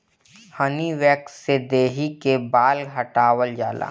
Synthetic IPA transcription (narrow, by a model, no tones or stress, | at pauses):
həniʋɛːksed̪eːɦikebaːlɦəʈaːwəld͡ʒaːla̰ː